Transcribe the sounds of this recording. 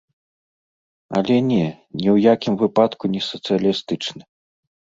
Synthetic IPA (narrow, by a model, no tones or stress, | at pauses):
ɐ̰lʲɛnʲɛ | nʲɛwjakʲimvɨpat̪kunʲɛsɐt̪sɨjɐlʲist̪ɨt͡ʂnɨ